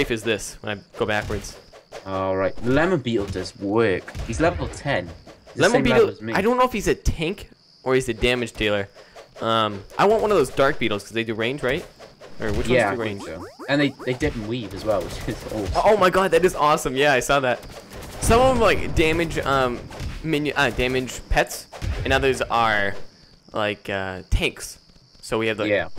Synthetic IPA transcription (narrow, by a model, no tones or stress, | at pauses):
eɪfɨzðɪswə̃naɪɡ̥oʊbækwə˞dz̥ɔlˠɹaɪt̚ðəlɛmə̃nbiʔl̩ˠdʌzwɜˑ˞khizlɛvlˠtʰɛ̃nlɛ̃mə̃nbiɾl̩ˠzmaɪɾõʊ̃nːoʊɪfhizɨtʰɪ̃ŋk | ʔə˞ɨzɨdæmɨd̥d͡ʒdʰeɪlˠə˞ʔʌ̃mʔaɪwɑ̃nʔwʌ̃nʌvðoʊzdɑɹk̚b̥iɾl̩ˠz̥kʰʌzðeɪdɨɹẽɪ̃nd͡ʒɹaɪt̚ʔə˞wɨt͡ʃwwʌ̃æɨɹẽɪ̃nʒ̥ɨ̃nðeɪðeɪdɪdⁿn̩livɨzwɛlˠwɨt͡ʃɪzo̰ʊoʊmaɪɡɑd̪̚ðɨɾɨzɔsɨ̃mjæaɪsɔðæt̚ | sʌ̃mʌṽvlaɪk̚d̥æ̃mɨd͡ʒʌ̃mːɪ̃njʉʔʌdæ̃mɨd̥ʒ̥pʰɛtsɨ̃nʌðə˞zə˞ | la̰ɪkʌtʰæ̃ŋks | soʊwiɨvðjæ